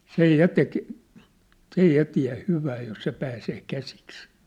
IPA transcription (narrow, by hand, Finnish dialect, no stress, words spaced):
sej jɑ tek s ei jɑ tiæ̝ hyʋæː jos se pæːseː kæsiks